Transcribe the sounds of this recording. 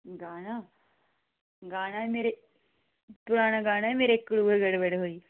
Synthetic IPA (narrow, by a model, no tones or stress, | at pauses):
ɡaːna | ɡaːnaemeːɾe | t̪ʊɽaːnaɡaːñaemeːɾekːɽuːeɡɐɽʋəɽeɦoːi